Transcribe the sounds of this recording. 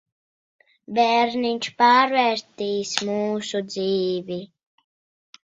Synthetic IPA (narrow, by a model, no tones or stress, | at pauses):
bɛɾninʲt͡ʃpaɾvɛɾt̪iːsmuːsud͡ziːvi